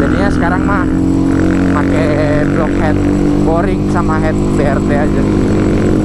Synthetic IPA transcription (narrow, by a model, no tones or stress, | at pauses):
d͡ʒadiɲasə̥kaɾaŋmah | makɛ | blɔk̚hɛt̪̚ | fɔɾɪŋsamaɦɛt̪̚beɛrt̪eɛd͡ʒadi